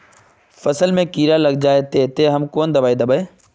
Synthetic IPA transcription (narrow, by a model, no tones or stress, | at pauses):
fɐsəlmẽkiːɾalɐɡ̚d͡ʒaːet̪et̪eɦɐmkoːnd̪ɐbaːid̪ɐbəe